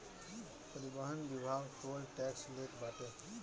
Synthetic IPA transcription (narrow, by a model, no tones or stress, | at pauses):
pəɾibəɦənbibʱaɡkolʈɛkslekbaʈe